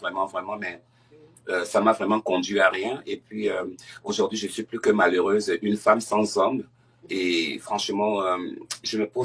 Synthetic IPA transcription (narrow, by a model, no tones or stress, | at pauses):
vʁɛmɑ̃vʁɛmɑ̃mɛ | øsamavʁɛmɑ̃kɔ̃d̪ɥyaʁjɛ̃epɥiøoʒuʁd̪ɥiʒənsɥiplykəmaløʁøzʔynfamsɑ̃zɔ̃mb | efχɑ̃ʃəmɑ̃øʒəməpo